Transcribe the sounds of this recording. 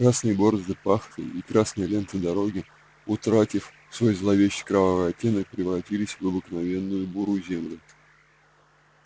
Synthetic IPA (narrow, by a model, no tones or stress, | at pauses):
kɾasnɨjbo̞ɾzɨpaxt̪ɨ̰ikɾasnɨjəlʲe̞nt̪ɨd̪ɐɾo̞ɡʲɪ | ʊt̪ɾatʲɪf | fsvo̞jzlˠɐvʲeɕːɪ̥jkɾɐvavəɐtʲːe̞nək̚pɾʲɪvɾɐtʲilʲɪsʲvɐbɨknɐvʲe̞nːʊjʊbuɾuzʲemlʲɪ